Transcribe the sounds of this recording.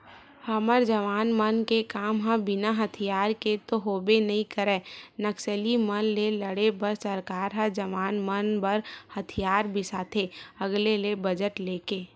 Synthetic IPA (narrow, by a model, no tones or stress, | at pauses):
hɐməɾd͡ʒəʋaːnmənkekaːmɦə̃bɪnaɦət̪ʰijaːɾket̪oɦoːbenɐɦĩkəɾɛːnəksəlimənleləɽebəɾsəɾkaːɾɦəd͡ʒəʋaːnmənbəɾhɐt̪ʰijaːɾbʱɪsaːt̪ʰeɐɡlelebəd͡ʒəʈleːkeː